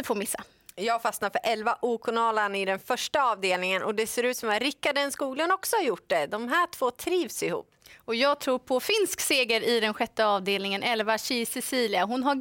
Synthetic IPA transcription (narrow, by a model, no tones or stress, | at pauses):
əfoːɾmɪsːa | jɑːɡfasnaɾfœɾʔɛlvaʔuːkʰʊnɑːlanɪd̪ɛnfœʂʈaɑːvd̪eːlnɪŋənʔɔd̪ɛseːɾʉ̟ːt̪sɔmat̪ɾɪkːaɖɛnskuːɡlənɔksɔhaɾjʊʈ̚ːɖ̪ɛd̪ɔmɦæːʈʰv̥oːt̪ʰɾiːvsɪhṵːpːɔjɑːɡt̪ʰɾuːɾpʰɔfɪnskseːɡəɾɪd̪ɛnɧɛt̪ːəɑːvd̪eːlnɪŋənʔɛlvaɕiːsɛsiːlɪaɦʊnɦa